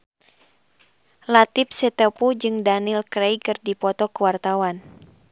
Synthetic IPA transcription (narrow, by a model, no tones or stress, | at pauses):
lat̪ip̚sɛt̪əpud͡ʒɨŋdanilkɾɛjkɨrdipɔt̪ɔkəwart̪awan